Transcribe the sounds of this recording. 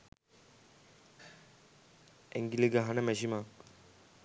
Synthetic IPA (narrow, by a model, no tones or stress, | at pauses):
eŋɡileɡaɦanəmɛɕimak